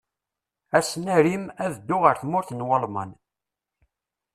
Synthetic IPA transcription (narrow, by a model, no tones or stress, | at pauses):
æsnæɾimæðəd̪ːʊʁəɾθmʊɾθnwəlmə̰n